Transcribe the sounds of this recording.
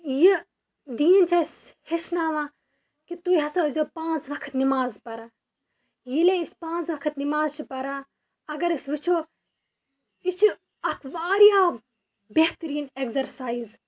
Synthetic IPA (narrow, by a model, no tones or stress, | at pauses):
ji | d̪iːnt͡ʃʰɐisheʃnaːʋã | kit̪uɦɐsoːzʲoːpãːnt͡sʋɐkʰə̥t̪nimaːzpɐɾa | jileispãːnt͡sʋɐkʰət̪nimaːzt͡ʃʰipɐɾa | ɐɡɐɾisʋit͡ʃʰoː | it͡ʃʰi | ɐkʰʋaːɾijaː | beht̪ɾiːnekzɐɾsaːiz